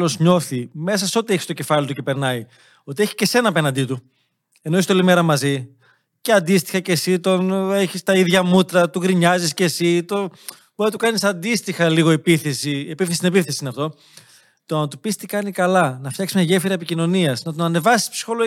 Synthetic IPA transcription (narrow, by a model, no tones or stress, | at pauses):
lo̞zɲo̞θime̞sɐso̞t̪ieçi̥st̪o̞ce̞fɐlit̪uce̞pe̞ɾnɐi | o̞t̪ieçi̥ce̞se̞nɐpe̞nɐnd̪it̪u | e̞noist̪olime̞ɾɐmɐzi | ceɐnd̪ist̪i̥xɐce̞sit̪o̞neçist̪ɐiðʝɐmut̪ɾɐt̪uɣɾiɲɐzisce̞sit̪o | boiɐt̪ukɐnisɐnd̪ist̪ixɐliɣo̞epiθesiepifθesit̪inepifθe̞siinɐft̪o̞ | t̪oɐnt̪upist̪ikɐnikɐlɐnɐft̪çɐksimɲɐʝefiɾɐepicino̞niɐsnɐt̪onɐne̞vɐsi̥spsi̥xo̞lo